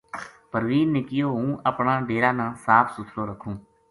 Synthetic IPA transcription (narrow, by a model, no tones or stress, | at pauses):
pəɾʋiːnːɪkɪjoːɦũːʔəpɳaːɖeːɽaːnãːsaːpʰsʊt̪ʰloːɾəkʰũː